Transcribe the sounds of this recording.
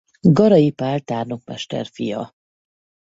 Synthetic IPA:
ɡɒɾɒjipaːrt̪aːrnokmɛ̰ʃt̪ɛ̰rfijɒ̰

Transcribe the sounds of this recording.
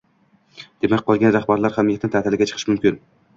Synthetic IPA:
d̪̥e̞mak̚ʲqʰɒlˠɡʲanɾaχbaɾlaɾχamijat̪ʰnɪt̪ʰaːt̪ɪlɪɡʲat͡ʃʰɨ̥qʰɨʃmʊmkʲɪn

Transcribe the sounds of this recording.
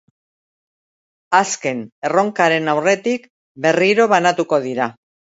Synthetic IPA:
aske̞ne̞ro̞ŋkaɾe̞nawre̞t̪ik | be̞riɾo̞βanat̪uko̞ðiɾa

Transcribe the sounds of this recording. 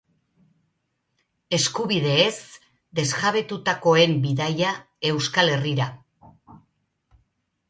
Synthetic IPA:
e̞skuβiðe̞ːs | d̪e̞zɣaβe̞t̪ut̪ako̞e̞mbiðaja | e̞wskale̞riɾa

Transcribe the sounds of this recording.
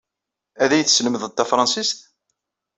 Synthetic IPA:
æðæjθsləməðt̪ːæfɾˤɑnsist̪

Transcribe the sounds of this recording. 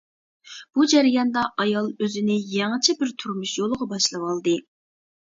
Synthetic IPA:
b̥ud͡ʒæɾijɑnd̪ɑʔɑjɑlˠøzɪnɪjɛŋɨt͡ʃʰɛbɪɾt̪ʰuɾmuʃjolˠəʁɑbɑʃlˠɨwɑlˠd̪ɨ

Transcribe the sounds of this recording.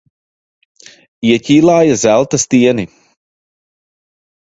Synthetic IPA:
iɛciːlˠaːjɐzælˠt̪ɐst̪iɛni

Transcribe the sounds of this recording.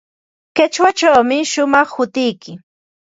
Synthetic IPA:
kat͡ʃwat͡ʃawmɪʃʊmɑχhʊt̪ɪjkɪ

